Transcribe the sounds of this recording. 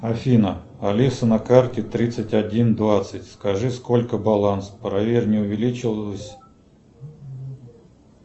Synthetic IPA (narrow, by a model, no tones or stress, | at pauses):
ɐfʲinə | ɐlʲisənɐkartʲɪt̪ɾʲit̪sɨtʲɐdʲind̪vat̪sɨtʲskɐʐɨsko̞lʲkəbɐlˠanspɾɐvʲerʲnʲɪʊvʲɪlʲit͡ɕɪlˠəsʲ